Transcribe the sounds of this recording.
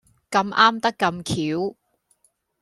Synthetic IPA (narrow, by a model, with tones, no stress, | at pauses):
kɐ˧mʔaː˥mt̪ɐ˥kːɐ˧mkʰiː˨˥w